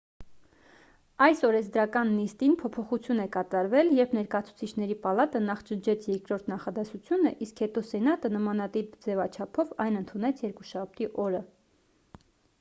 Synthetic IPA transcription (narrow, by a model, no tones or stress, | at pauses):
ɑjsɔɾɛzd̪ɾɑkɑnːist̪inpʰɔpʰɔχut͡sʰjunɛkɑt̪ɑɾvɛljɛɾpʰnɛɾkɑjɑt͡sʰu̥t͡sʰit͡ʃʰnɛɾipɑlɑt̪ənɑχt͡ʃənt͡ʃʰɛt͡sʰjɛɾkɾɔɾt̪ʰnɑχɑd̪ɛsut͡sʰjunəʔiskhɛt̪ɔsɛnɑt̪ənəmɑnɑt̪ipd͡zɛvɑt͡ʃʰɑpʰɔvɑjnənt̪ʰunɛt͡sʰjɛɾkuʃɑp̚ʰt̪iʔɔɾə